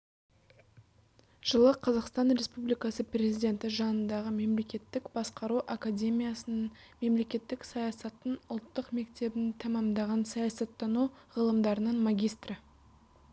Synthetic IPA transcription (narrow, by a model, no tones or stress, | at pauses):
ʒ̥əlˠəqʰɑzɑqst̪ɑnɾe̞spublijkɑsəprʲe̞zijd̪ʲe̞nt̪ɪʒɑnənd̪ɑʁəme̞mle̞kʲe̞t̪ːɪkb̥ɑsqɑɾuʔakad̪ʲe̞mʲijasənən | me̞mle̞kʲe̞t̪ːɪksɑjɑsɑt̪ːənʊlˠt̪ːəqme̞kt̪e̞bɪnt̪ʰɑmɑmd̪ɑʁɑnsɑjɑsɑt̪ːɑnuʁəlˠəmd̪ɑɾənənmaɡʲijst̪rə